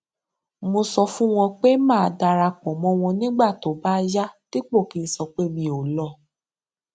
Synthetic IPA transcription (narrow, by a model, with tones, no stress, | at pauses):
mo˧sɔ˧fũ˦w̃ɔ̃˧k͡pe˦mãː˦˨˧da˧ɾa˧k͡pɔ̃˨mɔ̃˧w̃ɔ̃˧nĩ˦ɡ͡ba˦˨to˨˦ba˦ja˦ti˦k͡po˦˨ki˨˦˧n̩˦sɔ˧k͡pe˦mĩ˧o˨lɔ˧˨